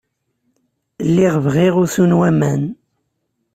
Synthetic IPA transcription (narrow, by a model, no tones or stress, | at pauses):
lːiʁvʁiʁʊθunwæmæn